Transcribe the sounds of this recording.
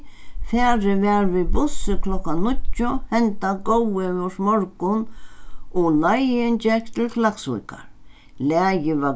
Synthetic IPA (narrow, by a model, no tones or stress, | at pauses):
fɛːɾɪvɛːɾvɪbʊsɪkʰlɔkanʊt̪ːʊhɛnt̪aɡowɪvɛʂmɔɾkʊn | ɔlajɪnt͡ʃɛkt̪ʰɪlflaksʊ̰jka̰ɾ | laːjɪva